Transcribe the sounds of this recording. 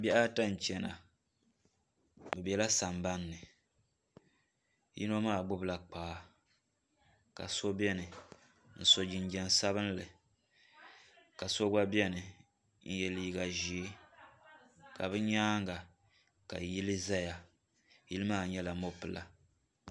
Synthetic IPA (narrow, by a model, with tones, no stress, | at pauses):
bɛ˦a˦ta˦n̩˨t͡ʃɛ˨na̰˨ | bɛ˨bɛ˨la˦sa˨mba˦nːɨ˨ | jḭ˦no˦maː˦˨ɡ͡bʊ˦bla˨k͡paː˨˦ | ka̰˨so˦bɛ˦nɨ˨ | n̩˦so˨d͡ʒi˨n˦d͡ʒɛ˨n˨sa˦βɨ˦n˦lɨ˨ | ka˨so˦ɡ͡ba˦bi˦ɛ˦nɨ˨ | n̩˦jɛ˨liː˦ɡa˨ʒi˨˦ | ka˨bɨ˦ɲaː˦ŋɡa˨ | ka̰˨ji˦lɨ˦za˦ja˨ | ji˦lɨ˦maː˦˨ɲɛ˦la˨mo˦pɨ˨la˦